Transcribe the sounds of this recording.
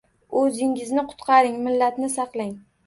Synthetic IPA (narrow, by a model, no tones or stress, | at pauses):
ɵzɪŋɪznɪqʰʊ̥t̪qʰɑɾɪŋmɪlːat̪nɪsɑqlˠɪŋ